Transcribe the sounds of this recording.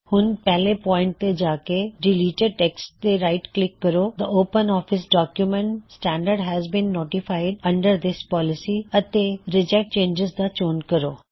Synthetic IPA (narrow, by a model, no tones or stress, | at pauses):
hʊnpɛɦlepɔ̃ːɪ̃ɳʈ̚t̪ed͡ʒaːkeɖɪliːʈeɖ̚ʈeksʈ̚d̪eɾaɪʈklɪkːəɾod̪əoːpə̃nɔːfɪsɖɔːkjumɛ̃ɳʈsʈæ̃ːɳɖəɾɖɦɛzbĩnːoːʈɪfaɪɖɐ̃ɳɖəɾd̪ɪspɔːlɪsiɐt̪eɾɪd͡ʒɛk̚ʈ̚t͡ʃẽːnd͡ʒɪzd̪at͡ʃoːnkəɾoː